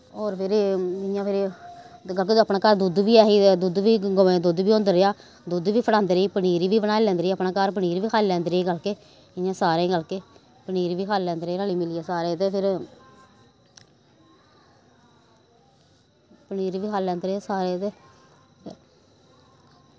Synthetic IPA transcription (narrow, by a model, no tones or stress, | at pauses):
ɔːɾpʰɪɾɪãːpʰɪɾ | ɡəlkeəpnãːkaɾd̪ud̪ʋiːɛːɦiːd̪ud̪ʋiːɡoẽd̪ʊd̪ʋiːõːnd̪əɾɪaː | d̪ud̪ʋiːpʰəɽãːnd̪ɾeiːpəniːɾiːʋiːbənaːelɛ̃ːnd̪ɾiːəpnãːkaɾp̬əniːɾʋiːkʰaːllɛ̃ːnd̪ɾeiːɡəlkeː | ɪjãːsaːɾeːɡəlkeː | pəniːɾʋiːkʰalːɛ̃ːnd̪ɾeːnaːliːmɪliːaːsaːɾeːt̪eːpʰɪɾ | pəniːɾʋiːkʰaːlːɛ̃ːnd̪ɾeasaːɾeːt̪eː | pʰ